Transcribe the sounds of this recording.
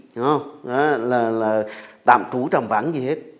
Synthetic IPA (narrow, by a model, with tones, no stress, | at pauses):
a˨˦laː˨˩laː˨˩t̪a̰ː˧˨mt͡ɕu˨˦t͡ɕə˨˩mva̰ː˨˦nzi˨˩he˦˥t̚